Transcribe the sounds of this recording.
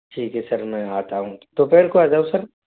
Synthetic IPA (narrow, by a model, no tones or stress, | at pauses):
ʈʰiːkɦesɐɾmɛ̃aːt̪aɦũːt̪opeːɾkoaːd͡ʒaũsɐɾ